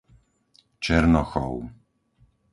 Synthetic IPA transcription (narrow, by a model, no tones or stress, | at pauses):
t͡ʃɛɾnɔxɔw